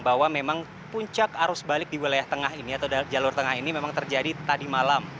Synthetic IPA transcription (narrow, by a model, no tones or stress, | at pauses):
bawamemaŋ | puɲt͡ʃakaɾʊsbalɪk̚diwilajaht̪əŋaɦiniat̪awd͡ʒalʊrt̪əŋaɦinimemaŋt̪ərd͡ʒadit̪adimalam